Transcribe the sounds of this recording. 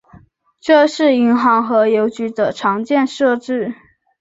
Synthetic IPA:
ʈ͡ʂɤ˥˧ʂɻ̩˥˩i˧˥ŋxɑ˧˥ŋxɤ˧˥jo˧˥ʊt͡ɕy˧˥d̪ə˧˩ʈ͡ʂʰɑ˧˥ŋt͡ɕjɛ˥˧nʂɤ˥˧ʈ͡ʂɻ̩˥˩

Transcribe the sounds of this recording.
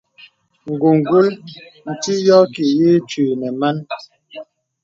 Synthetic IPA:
ŋ̩˨ɡu˨ŋ˨ɡu˦ln̩˨ti˦jɔ˦ki˨ji˦t͡ʃiː˨nɛ˨ma˦n

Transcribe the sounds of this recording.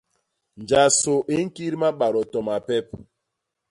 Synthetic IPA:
nd͡ʒa˨so˨ʔe˦ŋ̩˦ki˦ɾma˦ɓa˨ɾɔ˨tɔ˨ma˨pɛ˦p̚

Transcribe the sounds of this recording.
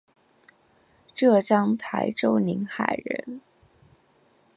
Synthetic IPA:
ʈ͡ʂɤ˥˩t͡ɕjɑ˥ŋt̪ʰa˧˥ɪʈ͡ʂo˥ʊni˧˥ŋxa̰˨˩ɪɻə̰˧˥n

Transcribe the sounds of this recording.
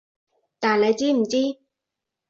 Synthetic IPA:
t̪aː˨˩nle˨˧jt͡siː˥m̩˨˩t͡siː˦˥

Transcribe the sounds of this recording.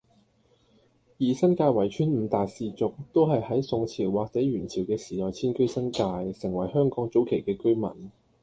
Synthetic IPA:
jiː˨sɐ˥nkaː˧jwɐ˨˩jt͡ʃʰyː˥nm̩ː˨˧t̪aː˨jsiː˨˧t͡sʊ˨k̚t̪o˥wɦɐ˨jhɐ˨˥jsʊ˧ŋt͡sʰiː˨˩wwaː˨k̚t͡sɛː˨˥ɥyː˨˩nt͡sʰiː˨˩wkɛː˧siː˨˩t̪ɔː˨jt͡sʰiː˥nkɵ˥ɥsɐ˥nkaː˧jsɪ˨˩ŋwɐ˨˩jhœː˥ŋkɔː˨˥ŋt͡so˨˥wkʰe˨˩jkɛː˧kɵ˥ɥmɐ̰˨˩n

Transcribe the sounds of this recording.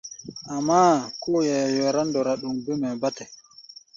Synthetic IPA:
ʔamːa˦kɔ˦jɛ˨jɔɾa˦ndɔɾaɗu˨mbi˦mɛ˨batɛ˨

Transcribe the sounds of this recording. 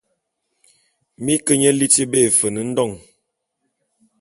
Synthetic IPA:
mi˦kə˦ɲə˦li˦ti˦be˦˨fə˨nə˨n̩˦dɔ˦˨ŋ

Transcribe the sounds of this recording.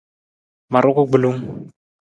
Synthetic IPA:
ma˨ɾʊ˦kʊ˦ɡ͡bʊ˨lo˦ŋ̩˦

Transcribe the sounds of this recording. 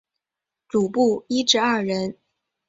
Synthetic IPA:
t͡su˨˩pu˥˩i˥ʈ͡ʂɻ̩˥˧ɐ˥˩ɻə˧˥n

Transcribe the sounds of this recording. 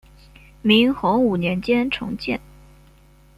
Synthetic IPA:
mi˧˥ŋxʊ˧˥ŋu˨˩njɛ˧˥nt͡ɕjɛ˥nʈ͡ʂʰʊ̰˧˥ŋt͡ɕjɛ̰˥˩n

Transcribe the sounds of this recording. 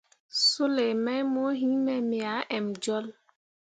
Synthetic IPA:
su˦le˨mɛ˦mo˦ɦi˦mɛ˨mi˨a˨˦ʔɛ˨m˨d͡ʒɔ˦l

